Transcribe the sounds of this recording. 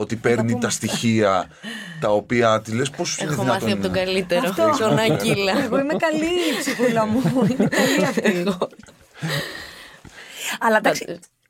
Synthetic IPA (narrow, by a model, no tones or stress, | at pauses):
o̞t̪ipe̞ɾnit̪ɐst̪içiɐ | t̪ɐo̞piɐt̪ile̞sposfneðoinɐɐsoɐpot̪oɡɐlit̪eɐɾoft̪osonɐilɐeɣo̞imekɐlisipulɐmuinkɐliɐfɣo | ɐlɐd̪ɐse